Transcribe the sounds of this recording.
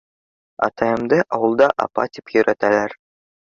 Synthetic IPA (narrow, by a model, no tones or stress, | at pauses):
ɑ̰t̪ɑjɤ̆md̪ɤʔɑwɤ̆lˠd̪ɑʔɑ̰pɑ̰t̪ʲipjɵ̆ɾæt̪ælæɾ